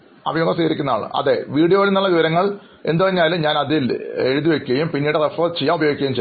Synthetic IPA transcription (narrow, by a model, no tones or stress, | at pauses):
ɐ̰bʱijoɡɐsiːɣɐɾikʲːunːɐðaːɳɨ̰ʔɐ̰ðe̞ʋiːɽijoːlunːɐɭlːɐʋiʋɐɾɐŋːɐɭ | e̞nd̪upɐiɲːaːlumɲaːnɐðile̞ɻuðiʋekʲːuɣɐjumpinːiːɽerefɐrt͡ɕejːaːmubɐjoːɡikʲːɐjmt͡ɕe